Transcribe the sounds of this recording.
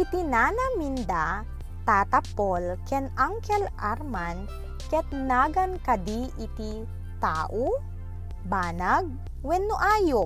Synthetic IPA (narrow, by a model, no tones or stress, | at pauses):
ʔit̪inaːnɐmind̪a | t̪aːt̪ɐpolkɛnaŋkɛlʔaɾman | kɛt̪naːɡɐnkɐd̪iʔɪt̪i | t̪a̰ːʔo | baːnaɡ̚ | wɛnːoʔaːjo